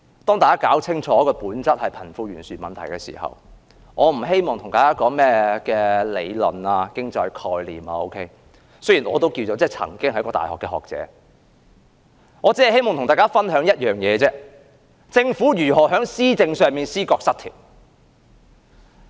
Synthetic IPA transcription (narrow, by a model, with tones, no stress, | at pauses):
t̪ɔː˥ŋaː˨kaː˥kaː˨˥wt͡sʰɪ˥ŋt͡ʃʰɔː˨˧kɔː˧puː˨˥nt͡sɐ˥t̚hɐ˨jpʰɐ˨˩nfuː˧ɥyː˨˩nsyː˨mɐ˨nt̪ʰɐ˨˩jkɛː˧sḭ˨˩hɐ̰˨˩w | ŋɔː˨˧m̩˨˩ɦe˥jmɔː˨ŋt̪ʰʊ˨˩ŋtaː˨jkaː˥kɔː˨˧mɛː˥kɛː˧le˨˧jlɔ̰˨naː˧kɪ˥ŋt͡sɔː˧jkʰɔː˧jliː˨maː˧o˥wkʰe˥j | sɵ˥jiː˨˩nɔ̰ː˨˧t̪o˥wkiː˧wt͡so˨˧wt͡sɛː˥˩t͡sʰɐ̰˨˩ŋkɪ˥ŋhɐ˧jkɔː˧t̪aː˨jhɔ̰ː˨kːɛː˧hɔ̰ː˨k̚t͡sɛ̰ː˨˥ | ŋɔː˨˧t͡siː˥ɐ˨jhe˥jmɔː˨ŋt̪ʰŋt̪aː˨jkaː˥fɐ˥nɦœː˨˥ŋjɐ˥t̚jœː˨ŋjɛː˨˧t͡sɛː˥ | t͡sɪ˧ŋfuː˨˥jyː˨˩ɦɔː˨˩ɦœː˨˥ŋsiː˥t͡sɪ˧ŋsœː˨˧ŋmiː˨nsiː˥kɔː˧k̚sɐ˥t̪ʰḭː˨˩p̚